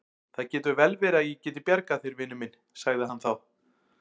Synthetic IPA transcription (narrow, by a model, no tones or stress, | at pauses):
θaðcɛːt̪ʏvɛlvɛːɾɪaðjɛcɛːt̪ɪpjaɾkaθeɾvɪnʏmɪn | saɣðɪɦanθaw